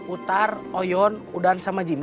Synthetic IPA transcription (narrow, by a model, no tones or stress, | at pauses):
ut̪arɔjɔnudansamad͡ʒim